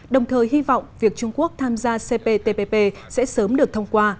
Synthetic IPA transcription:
ɗə˨˩wŋ͡mt̪ʰəː˨˩jɦi˧vɔ̰˧˨wŋ͡mvi˨˩ək̚t͡ɕʊ˧ŋ͡mku˦˥ək̚t̪ʰaː˧mzaː˧se˧pe˧t̪e˧pe˧pe˧sɛ̰˧˥səː˨˦mɗɨ˨˩ək̚t̪ʰə˧wŋ͡mkwaː˧

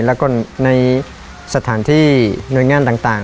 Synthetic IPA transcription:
lɛ˦˧˥kɔ˥˩na˧j | sa˧t̪ʰaː˩˦nt̪ʰiː˥˩nu˨˩jŋaː˧nt̪aː˨˩ŋt̪aː˨˩

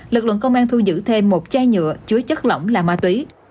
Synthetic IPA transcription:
lɨ˨˩k̚lɨ̰˧˨ŋkə˧wŋ͡mʔaː˧nt̪ʰu˧zɨ̰˧˥t̪ʰe˧mːo˨˩t̚t͡ɕaː˧jɲɨ̰˧˨ət͡ɕɨ˨˦ət͡ɕə˦˥t̚lə̰˧˨wŋ͡mlaː˨˩maː˧˩t̪wi˨˦

